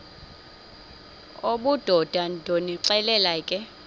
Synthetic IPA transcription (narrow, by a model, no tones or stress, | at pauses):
oɓud̥ʱɔd̥ʱandʱoniǁɛlɛlakʼɛ